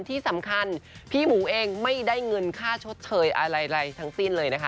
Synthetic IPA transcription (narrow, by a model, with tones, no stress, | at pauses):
nt̪ʰiː˥˩sa˩˦mkʰa˧npʰiː˥˩muː˩˦ʔeː˧ŋma˥˩jdaː˥˩jŋɤ˧nkʰaː˥˩t͡ɕʰo˦˥t̪̚t͡ɕʰɤː˨˦jʔa˧ɾa˧jɾa˧jt̪ʰa˦˥ŋsi˥˩nlɤː˧jna˦˥kʰa˦˥